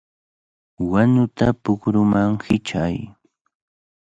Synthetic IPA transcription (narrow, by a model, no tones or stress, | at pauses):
waɲʊt̪apʊkɾʊmaŋhɪt͡ʃaj